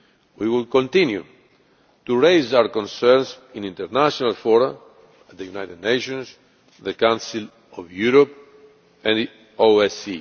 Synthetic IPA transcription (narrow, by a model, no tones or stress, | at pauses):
wiwilkõnt̪ĩnjṵ | t̪uɹejzawəɾkɔ̃nsɛɾnsĩnĩnt̪əɾnaʃɔnalfɔɾa | at̪̚ðəjunajt̪ed̪nejʃɔ̃ns | ðəkãnsil | ɔvjuɾop | ɛ̃ni | oɛsi